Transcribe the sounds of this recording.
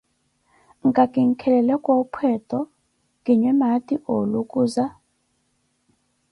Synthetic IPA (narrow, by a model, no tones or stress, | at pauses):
ŋɡʱakʼiŋ̩kʰɛlɛlɛkʼopʰɛtʰʼɔ | kʼiɲɛmatʼiʔolukʼuːza